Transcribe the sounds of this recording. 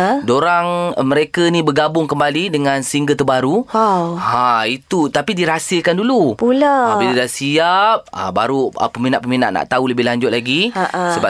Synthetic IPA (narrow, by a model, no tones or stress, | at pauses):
doɾaŋmə̃ɾekənĩbəɡabʊŋkəmbalidəŋãnsəiŋɡət̪ərbaɾuahãit̪ut̪apidiɾasɪlkandulupulaabilidasiap̚ə̰baɾuə̰pəminaʔpəmina̰ʔna̰ʔt̪auləbɪhlaɲd͡ʒʊt̪̚laɡiʔsəba